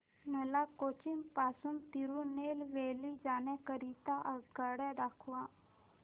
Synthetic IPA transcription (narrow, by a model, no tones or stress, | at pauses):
nəlakot͡ɕimpasuːnt̪iɾunelʋelid͡zanɛkəɾit̪aʔəɡəɽad̪akʰʋa